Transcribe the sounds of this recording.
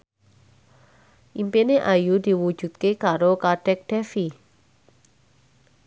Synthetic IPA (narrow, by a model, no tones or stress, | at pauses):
ʔimpeneʔajud̪i̤wud̥ʒ̥ṳt̪̚kekaɾokaɖ̥ɛk̚ɖ̥ɛfi